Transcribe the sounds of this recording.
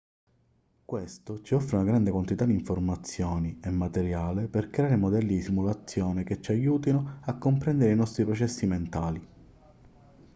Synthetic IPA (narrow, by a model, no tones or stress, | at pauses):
kwest̪ot͡ʃiɔfːɾeunaɡɾand̪ekwant̪it̪ad̪iɱformat̪sːjɔːniemːat̪eɾjaːleperkɾeaːɾemod̪ɛlːid̪isimulat̪sːjɔːneket͡ʃːajuːt̪inoakːompɾɛnd̪eɾeinɔst̪ɾipɾɔt͡ʃɛsːiment̪aːli